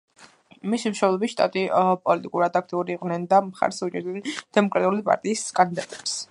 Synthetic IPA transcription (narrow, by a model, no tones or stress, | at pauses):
misimʃwɔblˠɔbiʃt̪ʼa̰t̪ʼipʼɔlit̪ʼikʼuɾad̪ak̚ʰt̪ʼiuɾiːqʼvnɛnd̪amχa̰ɾsud͡ʒɛɾd̪ɛnd̪̥ɛmɔkʼɾat̪ʼulipʼa̰ɾt̪ʼiːsɡand̪id̪at̪ʼɛps